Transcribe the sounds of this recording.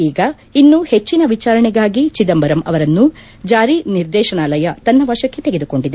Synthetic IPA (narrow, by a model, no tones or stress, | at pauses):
iːɡɐ | inːuhe̞t͡ʃːinɐʋit͡ʃaːɾɐɳɛɡaːɡit͡ʃid̪ɐmbɐɾɐmɐ̰ʋɐɾɐnːu | d͡ʒaːɾiniɾd̪ɛːʃɐɳaːlɐjɐt̪ɐnːɐʋɐɾʂɐkːe̞t̪eɡed̪uko̞ɳɖid̪e